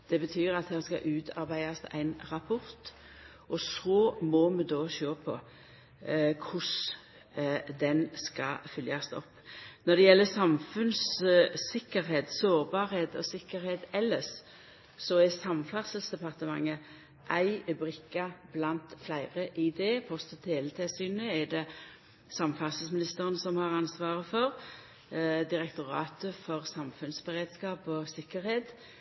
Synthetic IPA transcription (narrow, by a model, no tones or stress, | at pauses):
d̪̥ɛbət̪ʰyːɾɑt̪̚d̪ɛːʁskɑ̰ʔʉːt̪ʰɑ̰ɾbæɪɑsæ̰ɪnʁɑpʰɔɾt̪ | ʔɔsoːmɔmɛd̪oːɕøːpʰɔ | kʰʊs | d̪ɛnskɑfʏljɑst̪ɔ̰pːnɔd̪ɛjɛlːəsɑmfʉns | ɪkːəɾɦeːt̪soːʁbɑːɾheːt̪ɔsɪkːəɾheːt̪ɛlːəs | sɔɛsɑmfɑʁsəlsd̪ɛpɑʁt̪əmɑ̰ŋːə | ʔæɪbʁɪkːɑb̥lɑnt̪flæɪʁəʔɪd̪ɛpʰɔst̪ɔt̪heːlət̪ʰɛsyːnəɛd̪ɛ | sɑmfɑʁsəlsmɪnɪst̪əʁənsɔmhɑʁɑnsʋɑːʁəfɔʁ | d̪ɪʁɛkt̪ʊɾɑ̰ːt̪əfɔʁsɑmfʉnsbəʁeːd̪skɑːpɔsɪkːəɾheːt̪